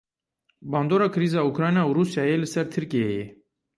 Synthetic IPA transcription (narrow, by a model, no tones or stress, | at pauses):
bɑːnd̪oːɾɑːkʰɨɾiːzɑːukɾɑːjnɑːuɾuːsjɑːjelɨsɛɾt̪ʰɨɾkijeje